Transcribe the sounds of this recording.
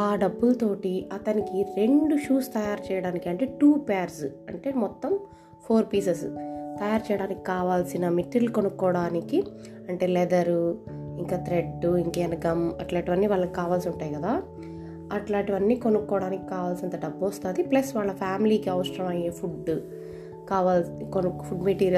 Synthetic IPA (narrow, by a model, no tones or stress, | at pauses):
aːɖɐbːulɐt̪o̞ːʈiɐt̪ɐnikiɾe̞ɳɖuʃuːst̪ɐjaːɾt͡ʃɛːjɐɽaːnikiɐɳʈe̞ːʈuːpeːɐɾsɐ̰ɳʈe̞ːmɔt̪ːɐm | pʰoːɾpiːsest̪ɐjaːɾt͡ʃɛjɐɽaːnikːi̥kaːʋaːlsinɐmiʈːilukonukːɔːɽaːniki | ɐɳʈe̞ːlɛd̪ɐɾuiŋkaːt̪ɾeɖːuiŋkɛːnɐɡɐmɐʈlaːʈiʋɐnːiːʋaːɭːɐki̥kaːʋaːlsiuɳʈaːjkɐd̪aː | ɐʈlaːʈiʋɐnːiːkonukːɔːɽaːniki̥kaːʋaːlsiɐnt̪ɐɖɐbːuʋɐst̪aːd̪iplɐsʋaːɭːɐpʰaːmiliːkiɐʋʂɐɾɐmɐjeːpʰuɖ | kaːʋaːlkonupʰuɖmeʈiːɾiɐ